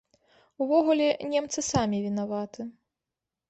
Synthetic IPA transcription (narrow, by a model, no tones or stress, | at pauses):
uvɔɣulʲɛnʲɛmt̪sɨsamʲivʲinavat̪ɨ